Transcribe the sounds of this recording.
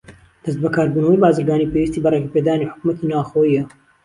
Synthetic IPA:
d̪̥ɐs̬t̪̚bɐkʰaːɾbuːnɐwɐjbaːzɨɾɡaːniːpewist̪ibɐrekɐpeːd̪aːniħʊ̥kumɐt̪inaːxoiɐ

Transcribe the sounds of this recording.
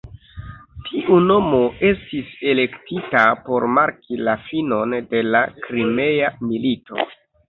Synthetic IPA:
tʰiʔuno̞mo̞e̞stise̞le̞ktitapo̞ɾmaɾkilafino̞nde̞lakɾime̞jamilito̞̰

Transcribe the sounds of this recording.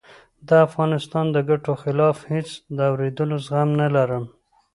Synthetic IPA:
d̪əafɣɑnɪst̪ɑnd̪əɡaʈoxɪlɑfhet͡sd̪əawɾed̪əlozɣamnalaɾəm

